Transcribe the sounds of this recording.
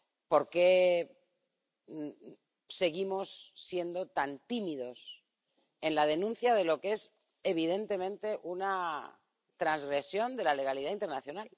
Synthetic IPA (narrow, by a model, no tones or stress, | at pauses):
po̞ɾke̞ | se̞ɣimo̞sːje̞nd̪o̞t̪ant̪imiðo̞s | e̞nlað̞e̞nũn̟θjað̞e̞lo̞ke̞s | e̞β̞iðe̞nt̪e̞mẽ̞nt̪e̞ʔuna | t̪ɾanzɣɾe̞sjo̞nd̪e̞lale̞ɣ̞aliðaint̪e̞ɾnaθjo̞nal